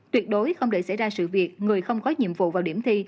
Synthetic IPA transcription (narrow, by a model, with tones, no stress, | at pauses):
t̪wi˨˩ət̚ɗo˨˦jxə˧wŋ͡mɗe˧˩sa˧˩jzaː˧sɨ̰˧˨vi˨˩ək̚ŋɨ˨˩əjxə˧wŋ͡mkɔ˨˦ɲḭ˧˨əmvṵ˧˨vaː˨˩wɗi˧˩əmt̪ʰi˧